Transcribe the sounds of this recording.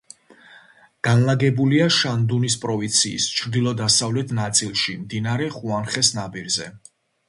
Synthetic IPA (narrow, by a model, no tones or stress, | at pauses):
ɡ̥anlaɡɛbuliaʃand̪unispʼɾɔvint̪sʰiːst͡ʃʰɾd̪ilˠɔd̪asavlɛt̪ʰnat̪sʼilˠʃimd̪inaɾɛχuanχɛsnabiɾzɛ